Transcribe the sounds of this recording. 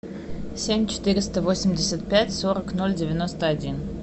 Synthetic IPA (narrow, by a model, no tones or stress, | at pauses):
sʲemʲt͡ɕɪ̥t̪ɨɾʲɪst̪əvo̞sʲɪmʲdʲɪsʲət̪̚pʲætʲsoɾəknolʲdʲɪvʲɪno̞st̪əɐdʲin